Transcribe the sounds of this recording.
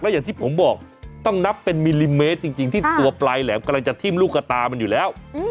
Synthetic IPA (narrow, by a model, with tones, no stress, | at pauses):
klɛ˦˥jaː˨˩t̪ʰiː˥˩pʰo˩˦mbɔː˨˩k̚t̪ɔ˥˩ŋna˦˥pːe˧nmi˧li˧meː˦˥t̪̚t͡ɕi˧ŋt͡ɕi˧ŋt̪ʰiː˥˩t̪u˧ɐplaː˧jlɛː˩˦mka˧mla˧ŋt͡ɕa˨˩t̪ʰi˥˩mlu˥˩kːa˧t̪aː˧ma˧njuː˨˩lɛː˦˥w